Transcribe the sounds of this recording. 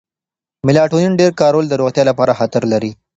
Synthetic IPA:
mɪlɑʈonunɖeɾkɑɾold̪əɾoxt̪jɑlapɑɾaxat̪əɾlaɾi

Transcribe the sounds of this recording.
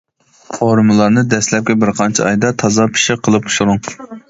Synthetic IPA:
foɾmɨlˠɑɾnɨd̪ɛslɛp̚kʲɛbɪɾqʰɑnt͡ʃʰiɑjd̪ɑt̪ʰɑzɑpʰi̥ʃɪqʰːəlˠɨp̚ʊ̥ʃuɾʊŋ

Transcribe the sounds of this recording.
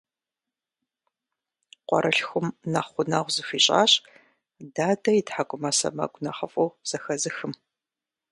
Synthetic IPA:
qʷɔ̰ɾʔɐɬxʷʊmnɐχʷʊnɐʁʷzɨfʷiːɕʼa̰ːɕʼ | daːdɐjitħakʷʼʊmɐsɐ̰mɐ̰kʷʼnɐχɐfʼɐwz̥ɐxɐzɨxɨm

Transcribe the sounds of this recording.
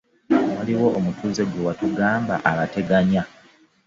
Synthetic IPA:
waliwo̞ʔomutuːze̞ɡwewatuɡaːmba̰ʔaβate̞ɡaɲa

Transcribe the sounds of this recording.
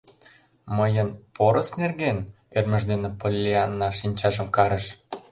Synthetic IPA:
məjənpʰoɾəsnerɣen | ørmə̆ʒd̪enĕpolʲːiɑnːɑʃinʲt͡ɕɑʒə̆mkɑɾəʃ

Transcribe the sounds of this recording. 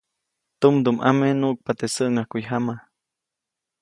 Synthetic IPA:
t̪umd̪umʔa̰menuʔk̚pat̪esəʔŋahkujɦama

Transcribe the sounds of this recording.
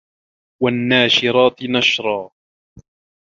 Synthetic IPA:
wanːaːʃɪɾˤɑːt̪naʃɾˤɑː

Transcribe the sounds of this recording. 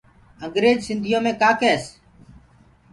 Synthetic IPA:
əŋɡɾeːd͡ʒsɪnd̪ʱɪjõːmẽːkaːkɛːs

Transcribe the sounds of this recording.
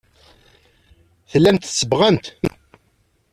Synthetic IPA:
θəlːæmt̪sːəbʁæmt̪

